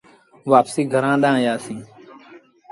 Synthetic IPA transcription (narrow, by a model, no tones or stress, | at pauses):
ʋaːpsiːɡʱəɾãːɗ̪ãːɦjaːsĩː